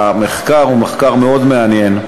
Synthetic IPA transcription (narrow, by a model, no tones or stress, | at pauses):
ameχkaʁumeχkaʁmeo̞d̪meanjen